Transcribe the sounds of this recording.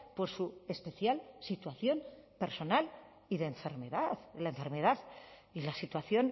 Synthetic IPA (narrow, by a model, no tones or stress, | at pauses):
po̞sue̞spe̞θjalsit̪waθjo̞mpe̞ɾso̞nal | iðeːɱfe̞ɾme̞ðaðlaeɱfe̞ɾme̞ðaðilasit̪waθjo̞n